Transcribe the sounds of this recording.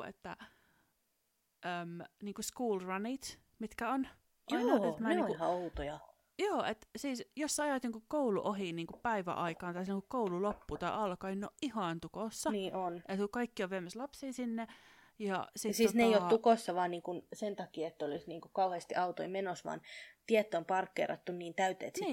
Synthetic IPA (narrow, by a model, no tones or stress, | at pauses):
ḛt̪ːæ | ʔəmniːŋkuskuːlrɑnit̪ | mit̪kæon | ʔjɑinɑet̪mæehɑout̪ojɑ | joːʔet̪siːsjosːɑɑjɑˑt̪iŋkukkouluʔoɦiniːŋkuppæiʋæ̰ʔɑikɑːnt̪ɑislːŋkukkoululopːuːt̪ɑiʔɑlkɑninːo̰ʔʔihɑˑnt̪ukoˑsːɑniːʔonʔet̪kukɑikːioʋʋemːæslɑpsiːsinːe | jɑ̰sit̪siːsneeioukosːɑʋɑːnniːŋkunsent̪ɑkiːet̪ːæolisniːŋkukɑuheˑːst̪iʔɑut̪o̰imenosʋɑ̰ːnt̪iɛt̪ːompɑrkːḛrɑ̰t̪ːunniːnt̪æyt̪ḛːt̪ː